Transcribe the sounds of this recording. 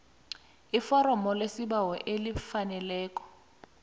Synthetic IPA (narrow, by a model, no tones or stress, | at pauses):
ifɔɾɔmɔlesibawɔʔelifanɛlɛːk̬ʼɔ̥